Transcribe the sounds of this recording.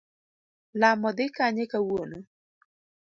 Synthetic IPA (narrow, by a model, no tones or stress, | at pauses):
lamɔd̪ɪkaɲekawono